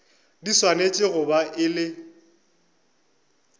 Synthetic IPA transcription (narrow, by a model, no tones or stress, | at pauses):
diswanet͡ʃʼɪɣʊbaʔɪlɪ